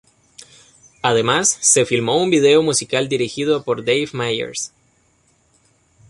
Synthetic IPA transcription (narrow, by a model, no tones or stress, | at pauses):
aðe̞masːe̞filmo̞umbið̞e̞o̞musikald̪iɾixiðo̞po̞ɾd̪ejvmajḛɾs